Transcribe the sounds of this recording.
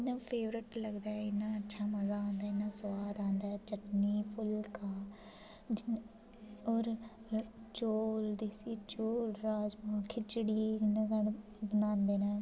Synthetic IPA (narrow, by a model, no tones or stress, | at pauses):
ɪnãːpʰeːʋɾɪʈləɡd̪aːɛɪnːãːətːʃʰaːməzaːãːnd̪aːɪnːãːswaːd̪ãːnd̪aːɛːt͡ʃəʈniːpʰʊlkaː | d͡ʒɪn | ɔːɾ | t͡ʃoːld̪iːsiːt͡ʃoːlɾaːd͡ʒmãːkʰɪt͡ʃəɽiːɪnːãːzaɽ | bənãːnd̪eːnãː